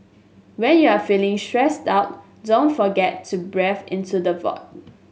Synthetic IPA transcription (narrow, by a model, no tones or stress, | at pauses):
wɛ̃njuafilɪ̃ŋstɹɛstaʊt̚ | dõntfɔɡɛtʰːubɹɛfɪ̃ntudəvɔ̰k̚